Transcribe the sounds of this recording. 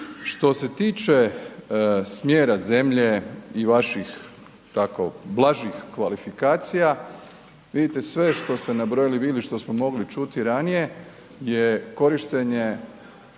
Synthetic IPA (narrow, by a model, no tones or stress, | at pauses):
ʃt̪o̞se̞t̪iːt͡ʃe̞ | smjeːɾaze̞mʎe̞iʋaʃix | t̪ako̰blˠaʒixkʋalifikaːt̪sija | ʋid̪it̪e̞sʋe̞ʃt̪o̞st̪e̞nabɾojilibiliʃt̪o̞smomo̞ɡlit͡ʃut̪iɾanije̞ | jeko̞ɾiʃt̪eɲe̞